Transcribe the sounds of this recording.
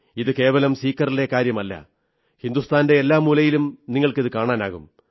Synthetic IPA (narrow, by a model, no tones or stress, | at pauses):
iðɨke̞ːʋɐlɐmsiːkːɐrile̞kaːɾjɐmɐlːɐ̰ | hind̪ust̪ʰaːnde̞ːlːaːmuːlɐjilumniŋːɐɭkiðɨkaːɳaːnaːɣum